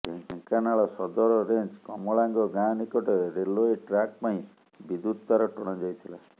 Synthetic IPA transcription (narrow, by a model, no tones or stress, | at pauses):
ɡʱɛ̃ɡʱɛ̃kanaɭɔsɔd̪ɔɾɔɾend͡ʒkɔmɔɭaŋɡɔɡãnikɔʈeɾɾeloeʈɾak̚paĩ | bid̪ut̪̚t̪aɾɔʈɔɽ̃ɔd͡ʒɔjt̪ʰila